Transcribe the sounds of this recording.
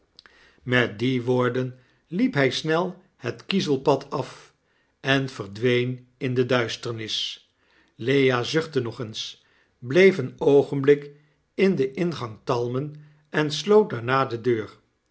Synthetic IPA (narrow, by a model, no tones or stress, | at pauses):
mɛt̚diʋoːɹdən | lipɦɛjsnɛlˠ | hətkizəlˠpɑtʰɑf | ɛnv̥ərdʋejnɪndədœɥstəɹnɪs | lejaːzʏχtənɔχəns | blejfənowχənblɪk | ɪndəʔɪnχɑŋtɑlˠmən | ɛnslowt̚daɹnaːdədøːɹ